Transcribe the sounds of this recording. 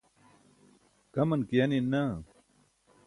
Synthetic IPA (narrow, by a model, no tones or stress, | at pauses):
kɐmɐnkijanina